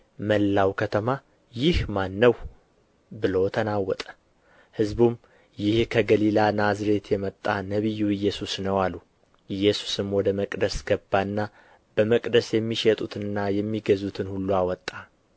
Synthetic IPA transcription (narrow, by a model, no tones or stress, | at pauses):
məlːawkʰət̪ʰəma | jɪhmanːəw | bɨlo̞t̪ʰənawːɔt̪ʼə̥ | hɨzbum | jɪhkʰəɡəlilanazɾe̞t̪ʰjɛmət̪ʼːanəβijːuɨjːɛsusnəwalːu | ʔɨjːɛsu̥sɨmwɔd̪əməkʼd̪əsɡ̥əbːaɨnːa | b̥əməkʼd̪əsjɛmːiʃɛt̪ʼut̪ʰɨnɨnːajɛmːiɡəzut̪ʰɨnhulːuawɔt̪ʼːa